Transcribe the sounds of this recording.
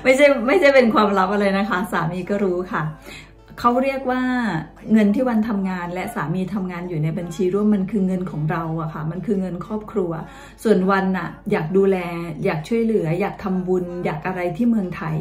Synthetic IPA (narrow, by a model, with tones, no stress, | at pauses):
ma˥˩jt͡ɕʰa˥˩jma˥˩jt͡ɕʰa˥˩jpe˧nkʰwaː˧mɾa˦˥p̚ʔa˧ɾa˧jna˦˥kʰa˦˥saː˩˦miː˧kɔː˥˩ɾuː˦˥kʰa˥˩ | kʰa˦˥wɾi˥˩ək̚waː˥˩ | ŋɤ˧nt̪ʰiː˥˩wa˧nt̪ʰa˧mŋaː˧nlɛ˦˥ʔsaː˩˦miː˧t̪ʰa˧mŋaː˧njuː˨˩na˧jba˧nt͡ɕʰiː˧ɾu˥˩əmːa˧nkʰɯː˧ŋɤ˧nkʰɔː˩˦ŋɾa˧wʔa˨˩kʰa˥˩ma˧nkʰɯː˧ŋɤ˧nkʰɾɔː˥˩p̚kʰɾu˧ɐ | su˨˩ənwa˧nʔa˨˩jaː˨˩k̚duː˧lɛː˧jaː˨˩k̚t͡ɕʰu˥˩əjlɯ˩˦ɐjaː˨˩k̚t̪ʰa˧mbu˧njaː˨˩k̚ʔa˧ɾa˧jt̪ʰiː˥˩mɯ˧əŋt̪ʰa˧j